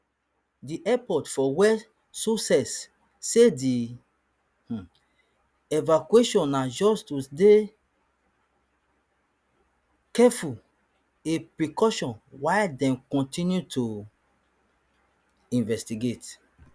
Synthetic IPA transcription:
diʔɛpɔtfɔwɛ | susɛsː | edi | h̩ | ɛvakueʃɔ̃nːad͡ʒɔstusde | kɛful | epɹikɔʃɔ̃nwaɪdɛ̃mkɔ̃ntĩnjutʰu | ĩnvɛstiɡet

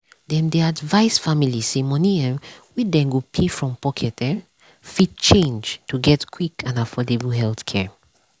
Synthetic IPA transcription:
dɛ̃mdɛadvaɪsfamilisemɔ̃niɛ̃mwidɛ̃mɡopʰefɹɔ̃mpɔkʰɛtɛ̃ | fid̚t͡ʃẽnd͡ʒtʰuɡɛtkʰwikãnafɔdebuɦɛlθkʰɛ

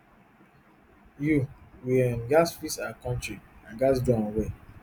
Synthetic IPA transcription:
juwĩnɡasfisakɔ̃ntɹiãnɡas̬dɔ̃nwe

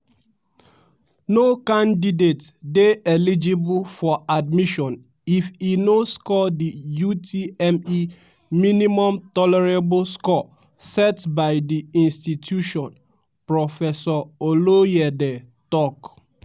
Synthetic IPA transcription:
nokãndidetdeelid͡ʒibufɔad̚miʃɔ̃n | ifinoskɔdijutʰiɛmi | minimɔ̃mtɔlɛɹeblskɔ | sɛtbaɪdiĩnstitʰjuʃɔ̃n | pɹɔfɛsɔolojɛde | tɔk

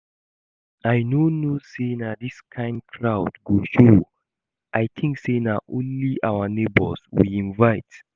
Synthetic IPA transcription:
ajnonosenadiskʰãɪ̃nd̚kʰɹaʊdɡoʃo | ʔajt̪ʰĩŋksenaʔõnliʔawənebɔlswḭĩnvaɪt

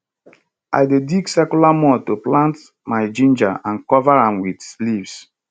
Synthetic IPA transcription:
ʔa̰jdediɡsɛkulamɔtoplãnt | maɪd͡ʒĩnd͡ʒa̰ʔãnkɔvaɹãmwidslivs

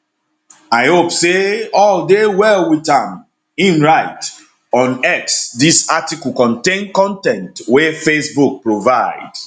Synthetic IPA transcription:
aɪhopseɔldewɛlwitãm | ĩnɹaɪt | ɔ̃nɛksdisatikl̩kɔ̃ntẽnkɔ̃ntɛ̃ntwefesbuk̚pɹovaɪd

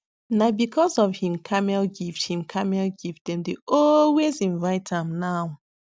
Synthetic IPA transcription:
nabikʰɔzɔvhĩmkʰamɛlɡifthĩmkʰamɛlɡif̚dɛ̃mdeʔɔlwezĩnvaɪtʰãmnaw

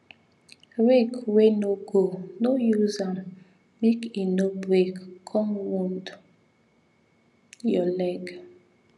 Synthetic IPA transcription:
ɾekwenoɡonojuzam̩ | mekinobɾekkʰɔmwund | jɔlɛɡ

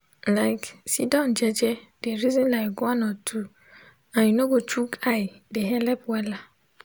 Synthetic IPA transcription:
laɪksidɔ̃nd͡ʒɛd͡ʒɛdeɾizĩnlakɡãnɔtʰu | ãjĩnoɡot͡ʃukʰaɪdeɦɛlɛpwɛla

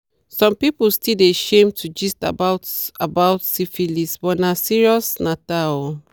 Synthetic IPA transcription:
sɔ̃mpipulstideʃẽmtʰud͡ʒista̰baʊtabaʊtsifilisbɔnasiɹiɔsnata

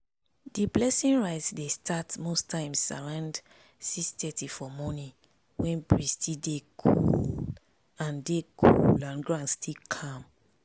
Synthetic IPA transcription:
diblɛsĩnɹaɪtsdestʰatmostʰãɪ̃msa̰ɹãnd | sistɛtifɔmɔnĩ | wɛ̃nbɹistʰideɡṵ | ãndeɡʰṵlãnɡɹãnstʰikʰãm

